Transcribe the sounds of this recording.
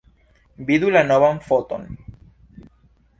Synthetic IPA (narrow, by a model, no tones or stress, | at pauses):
biðulanoβaɱfot̪o̰n